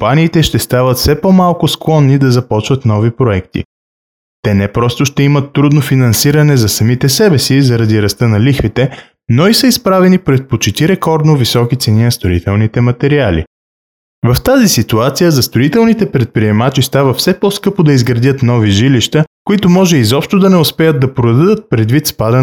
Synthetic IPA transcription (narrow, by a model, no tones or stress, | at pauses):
ompaniːt̪ɛʃt̪ɛst̪avət̪fsɛpɔmalˠkʊsklˠɔnːid̪ɐzɐpɔt͡ʃvɐt̪nɔvipɾoɛkt̪ḭ | t̪ɛnɛpɾɔst̪oʃt̪ɛimət̪ːɾud̪nofinɐnsiɾɐnɛzɐsɐmit̪ɛsɛbɛsizɐɾɐd̪iɾɐst̪ɤnɐlixvit̪ɛ | noisəispɾavɛnipɾɛt̪̚pot͡ʃit̪iɾɛkɔɾd̪novisɔkit̪sɛninɐst̪oḭt̪ɛlˠnit̪ɛmɐt̪ɛɾialḭ | vɐft̪azisit̪uat̪sijəzɐst̪ɾoit̪ɛlˠnit̪ɛpɾɛt̪̚pɾiɛmat͡ʃist̪avəfsɛpɔskɤpod̪ɐizɡɾɐd̪ʲət̪nɔviʒiliʃt̪əkoit̪omɔʒɛizɔpʃt̪od̪ɐnɛʊspɛjəd̪̚d̪ɐpɾod̪d̪ɐd̪ət̪̚pɾɛd̪vit̪spad̪ə